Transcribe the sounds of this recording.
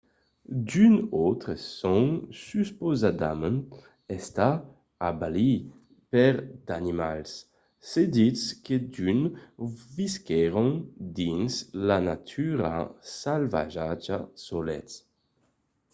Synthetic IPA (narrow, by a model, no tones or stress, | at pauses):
d̪ynot̪ɾəsoŋsyspozad̪ament | ɛst̪a | abali | pɛɾd̪animalsː | ed̪it͡sked̪yn | viskɛɾond̪inslanat̪ʰyɾa̰salva̰ʒad͡ʒa̰solɛ̰t͡s